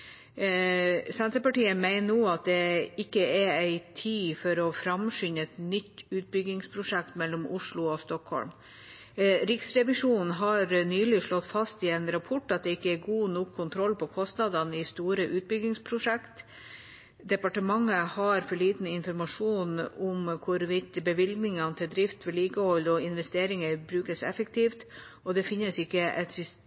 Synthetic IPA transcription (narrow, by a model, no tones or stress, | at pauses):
sɛnt̪ɾəpɑʈiːəmæɪnənuːɑt̪̚d̪ɛɪkːəɛæɪt̪ʰiːfɔɾɔfɾɑmʂʏɲəɛt̪nʏt̪ːʉːt̪̚bʏɡɪŋspʰɾʊʂɛkt̪mɛlːɔmʊʂɭʊost̪ɔkhɔ̰lm | ɾɪksɾɛʋɪʂuːnn̩ɦɑɾnyːlɪʂɭɔt̪ːfɑst̪ɪɛnɾɑpʰɔʈːɑt̪̚d̪ɛɪkːəæɾɡuːnɔkʰːʊnt̪ʰɾɔlːpɔkʰɔst̪nɑd̪ɑnɪst̪uːɾəʔʉːt̪̚bʏɡɪŋspʰɾʊʂɛkt̪ | d̪ɛpɑʈəmɑŋːəhɑɾfɔɭiːt̪n̩ɪnfɔɾmɑʂuːnɔmkʰʊɾʋɪt̪bəʋɪlɡnɪŋɑnət̪ʰɪld̪ɾɪft̪ʋɪliːkəhɔlɔɪnʋɛst̪eːɾɪŋəɾbɾʉːkəsɛ̰fəkt̪ʰiːft̪ | ɔd̪ɛfɪnːəsɪkːəʔɛt̪sʏs